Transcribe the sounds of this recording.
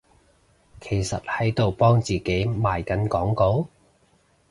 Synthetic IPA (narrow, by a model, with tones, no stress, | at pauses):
kʰe˨˩jsɐ˨t̚hɐ˨˥jt̪o˨wpɔː˥ŋt͡siː˨˩ke˨˥jmaː˨˩jkɐ˨˥nkɔː˨˥ŋko˨˥w